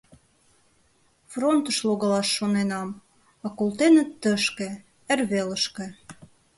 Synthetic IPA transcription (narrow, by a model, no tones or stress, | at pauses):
front̪ə̆ʃloɣɑlɑʃːonenɑm | ɑkolˠt̪enə̆t̪ːə̆ʃkĕ | ərβelə̆ʃkĕ